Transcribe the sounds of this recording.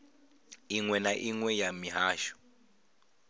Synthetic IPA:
iŋwɛnaʔiŋwɛjamiɦaːʃu̥

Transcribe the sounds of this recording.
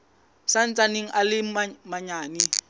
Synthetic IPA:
san̩t͡sʼaneŋ̩ʔalɪmaɲaːnɪ

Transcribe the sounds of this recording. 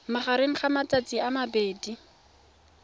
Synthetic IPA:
maχaɾeŋ̩χamat͡sat͡siamabeːdi

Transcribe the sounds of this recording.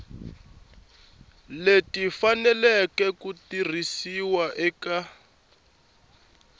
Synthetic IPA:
letifanɛlɛkɛkutir̤isiwaʔɛka

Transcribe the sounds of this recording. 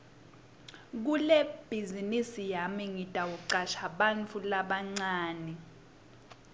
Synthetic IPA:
k̬ulɛb̥ʱizinisijamiŋitʼawuǀaʃaɓant͡fʰulaɓaŋ͡ǀaːnɛ

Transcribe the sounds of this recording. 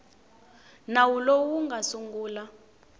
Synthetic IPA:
nawulowuŋɡasuŋɡuːla

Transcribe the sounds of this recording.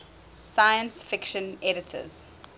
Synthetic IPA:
sajə̃nsfɪkʃə̃nɛɾɪtʰə̰z̥

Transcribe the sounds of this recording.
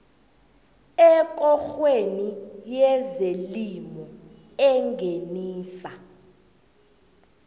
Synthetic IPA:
ɛkʼɔxwenijɛzelimɔ | ɛŋɡʱeniːsa

